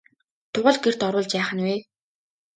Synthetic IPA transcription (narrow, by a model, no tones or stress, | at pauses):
t̪ʰʊʁə̆ɮɡer̥t̪ɔɾʊːɮt͡ɕpæːχə̆nweː